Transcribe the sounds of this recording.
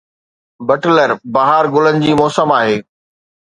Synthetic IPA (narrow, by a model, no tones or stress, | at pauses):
bɐʈləɾbaːɦaɾɡʊlənɪ̆d͡ʑiːmɔːsəmaːɦeː